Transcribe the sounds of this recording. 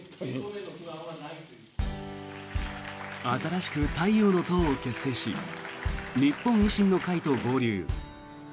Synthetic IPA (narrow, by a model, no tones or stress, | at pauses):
at̪aɾaɕi̥kɯ̟t̪aijoːno̞t̪õɰ̃oke̞sːe̞ːɕḭ | ɲipːõ̞ŋ̃iɕĩnːo̞kait̪o̞ɡo̞ːɾʲɨː